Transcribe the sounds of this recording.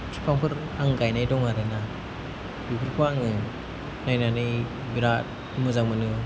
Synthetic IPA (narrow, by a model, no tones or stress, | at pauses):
sʰi̥pʰaŋpʰɯɾ | aŋɡajnajdɔŋaɾɯna | jukʰɯɾpʰɯaŋɯ | najnanɯj | biɾat̚ | imɯzaŋmɯnɯ